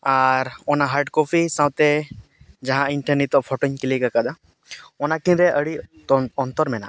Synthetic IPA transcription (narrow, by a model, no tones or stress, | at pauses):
aɾɔnaɦaɾʈkɔpʰisãwt̪ɛ | d͡ʒaɦãinʈəɾnit̪ɔpʰɔʈɔɲkilikakad̪a | ɔnakinɾɛʔəɽi | ɔnt̪ɔɾmɛna̰